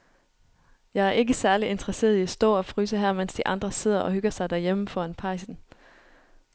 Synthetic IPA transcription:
jɑ̈ɪæɐe̝ɡ̥əsæɐlie̝nd̥ʁɐse̝̰ːɐðˠiæsd̥ɔ̰̽ːɒ̽fʰʁyːs̬əɦæɐ̰mensd̥iʔɑ̈nd̥ʁɐse̝ð̞̰ˠɐʔɒ̽ɦøɡ̥ɐsɑ̈ɪd̥æɐjeməfɒænpʰɑ̈ɪsn̩

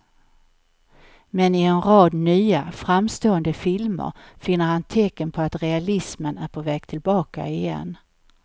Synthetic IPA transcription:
mɛnɪɛnɾɑːd̪nyːafɾamst̪oːənd̪əfɪlmə̰ɾfɪnːəɾhant̪ʰɛkːənpʰɔat̪ɾɛalɪsmənæɾpʰɔvɛːɡ̚t̪ʰɪlbɑːka̰ɪjɛ̰nː

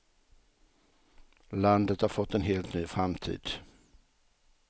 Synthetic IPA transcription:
land̪ət̪haɾfɔt̪ːɛnɦeːlt̪nyːfɾamt̪ʰḭːd̪̥

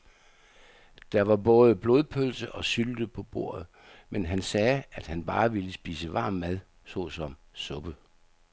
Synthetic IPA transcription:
d̥ɑ̈ʋɑ̈b̥ɔ̽ːð̞ˠəb̥lo̝ðˠpʰølsəʔɒ̽syld̥əpʰɒ̽b̥o̝̰ɐ̰ð̩ˠ | menɦænsɛːæd̥hænb̥ɑ̈ːʋiləsb̥ḭːsəʋɑ̰̈ːmːæðˠ | sɔ̰sɒ̽msɔ̽b̥ə

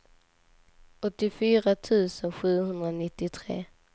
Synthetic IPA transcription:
ɔt̪ːɪfyːɾat̪ʰʉ̟ːsənɧʉ̟ːhɵnd̪ɾanɪt̪ːɪt̪ʰɾḛː

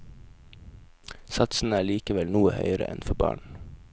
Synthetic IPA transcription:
sɑt̪sn̩əæːɭiːkəʋɛlnuːəhœ̰ʏəɾə̰ʔɛnfɔbɑ̰ːɳ

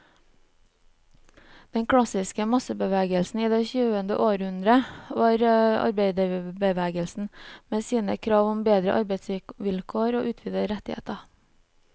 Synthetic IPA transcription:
d̪̥ɛŋkʰɽɑsɪskəmɑsəbəʋæːɡəlsn̩iːd̪ɛçʉːənd̪ə̰ʔoːɾhʉnd̪ɾəʋɑːɾɑ̰ɾbeɪd̪əbəʋæːɡəlsn̩meːsiːnə̰kʰɾɑːʋɔmbeːd̪ɾə̰ʔɑɾbeɪt̪sʋɪʋɪlkʰoːɾoːʔʉːt̪ʰʋiːd̪əɾɛt̪ɪhḛːt̪ɑ

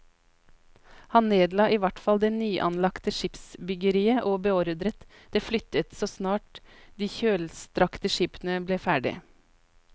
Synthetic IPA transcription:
hɑnneːd̪lɑːʔiːʋæʈfɑld̪ɛːnyːʔɑnlɑkt̪əʃɪpsbʏɡəɾiːəʔoːbɛoːɾd̪ɾət̪ | d̪̥eːflʏt̪ət̪soːsnɑːʈ | d̪iːçøːlst̪ɾɑkt̪əʃiːpnəbleːfæːɖɪ̰

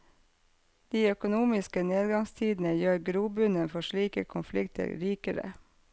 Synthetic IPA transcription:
d̪̥iːœkʊnuːmɪskəneːd̪ɡɑŋst̪ʰiːd̪n̩əjøːɾɡɾuːbʉnənfɔʃɭiːkə̰kʰʊnflɪkt̪ʰə̰ɾɾiːkəɾə̰

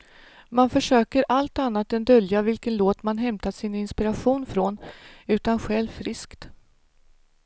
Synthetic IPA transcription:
manfœʂøːkəɾʔalt̪anːat̪ɛnd̪œljavɪlkənloːt̪manɦɛmt̪at̪sɪnɪnspɪɾaɧuːnfɾonʉ̟ːt̪anɧɛlvfɾɪskt̪

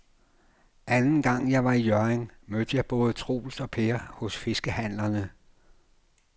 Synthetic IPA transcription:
ʔænn̩ɡ̥ɑ̈ŋ̰jɑ̈ɪʋɑ̈ijɶɐeŋmød̥əjɑ̈ɪb̥ɔ̽ːð̞ˠt͡sʰʁo̝̰ːlsɒ̽pʰeɐhɔ̽sfe̝sɡ̥əhæn̰lɐnə

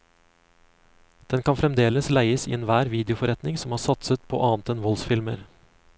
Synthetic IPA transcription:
d̪̥ɛnkʰɑnfɾɛmd̪eːləslæɪəsḭːeːnʋæːɾʋiːd̪ɪʊfɔɾɛt̪nɪŋsɔmhɑːɾsɑt̪sət̪pʰo̰ːʔɑːnt̪ɛnʋɔlsfɪlmə̰ɾ

